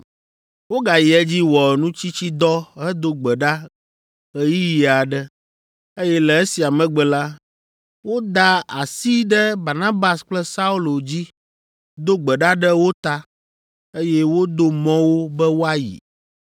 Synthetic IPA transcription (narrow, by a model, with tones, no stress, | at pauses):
wo˦ɡa˨ji˨ɛ˦d͡ʑi˦wɔ˨nũ˦t͡ɕi˦t͡ɕi˦d̪ɔ˦ɦɛ˦d̪o˦ɡ͡bɛ˨ɖa˦ | ɣɛ˦ji˦ji˨a˨ɖɛ˦ | e˦jɛ˦lɛ˨e˦si˨a˨mɛ̃˨ɡ͡bɛ˨la˦ | wo˦d̪a˦a˨si˦ɖɛ˦ba˨ɾnã˦ba˨sk͡plɛ˦sa˦u˦lo˨d͡ʑi˦ | d̪o˦ɡ͡bɛ˨ɖa˦ɖɛ˦wo˦t̪a˦ | e˦jɛ˦wo˦d̪o˦mɔ̃˦wo˦bɛ˦wo˦a˦jḭ˨